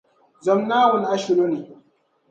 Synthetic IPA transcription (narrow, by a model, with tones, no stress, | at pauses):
zɐ˨mnaː˦wʊ˨nʔa˦ʃɪ˨ɾo˦ni˨